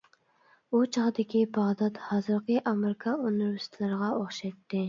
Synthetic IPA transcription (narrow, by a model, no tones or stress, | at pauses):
ut͡ʃʰɑʁd̪ɪkʲibɑʁd̪ɑt̪hɑːzɨɾqʰəʔɑmɪɾɪkʰɑonuɾyst̪ʰlˠɨɾəʁɑoχʃɛt̪ːɪ